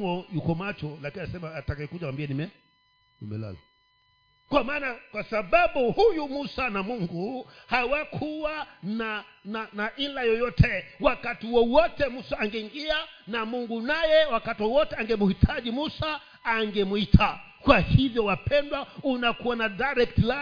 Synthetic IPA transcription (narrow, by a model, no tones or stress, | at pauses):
ɔjukɔmat͡ʃɔlakinaasɛmaːtakajɛkuʄawambianimɛ | nḭmɛ̰la̰lɔ̰ | kwamaːnakwasaɓaɓuhujumusanamuŋɡuhawakʰuwanananaʔilajɔjɔtʰɛwakatiwɔwɔtɛmusaːŋɡɛiŋɡianamuŋɡunajɛwakatiwɔwɔtɛaŋɡɛmuhitʰaʄimusaː | ŋɡɛmuitʰa | kwahivjɔwapɛndwaunakuwanadaɾɛk̚tla